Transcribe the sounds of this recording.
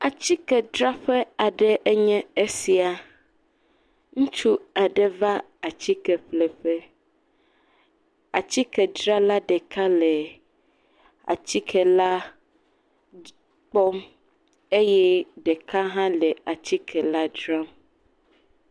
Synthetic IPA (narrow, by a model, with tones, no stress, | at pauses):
a˨t͡ɕi˦kɛ˨dɾa˦ɸɛ˦a˨ɖɛ˦ʔɛ˦ɲɛ̃˦e˦si˨a˨ | ŋũ˦t͡ʃu˦a˨ɖɛ˨va˦ | a˨t͡ɕi˦kɛ˨ɸlɛ˨ɸɛ˦ | a˨t͡ɕi˦kɛ˨dɾa˦la˦ɖɛ˨ka˦lɛ˨ | a̰˨t͡ɕi˦kʰɛ˨la˦ | k͡pɔ˦m | e˦jɛ˦ɖe˨ka˦ɦã˦lɛ˨a˨t͡ɕi˦kʰɛ˨la˦dɾa˦m